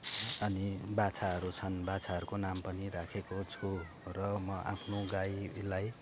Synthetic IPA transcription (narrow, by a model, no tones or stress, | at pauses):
ʌnibat͡sʰaɦʌɾut͡sʰʌnbat͡sʰaɦʌɾukonampʌniɾakʰekot͡sʰu | rʌmʌʔa̰pʰnoɡajlaj